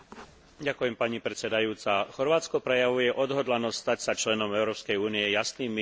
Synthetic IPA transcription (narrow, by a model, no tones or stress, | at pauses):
ɟakujɛmpaɲipɾɛt̪t͡sɛd̪ajuːt͡saxɔɾʋaːt͡skɔpɾɛjaʋujɛʔɔd̪ɦɔd̪lanɔst̪st̪acsat͡ʃlɛnɔmɛʊɾɔːpskɛjuːniɛjasniːmːi